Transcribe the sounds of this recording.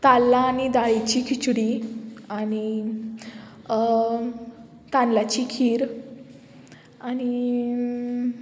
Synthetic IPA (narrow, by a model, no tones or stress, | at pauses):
t̪alːaːñid̪aɭit͡ɕiːkʰit͡ɕɽiaɽ̃i | t̪ãnlat͡ɕiːkʰiːɾ | aɽ̃i